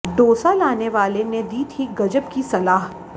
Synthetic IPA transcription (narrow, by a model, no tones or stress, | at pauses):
ɖoːsalaːneʋaːlened̪iːt̪ʰiɡɐd͡ʒəbkisɐlaːɦ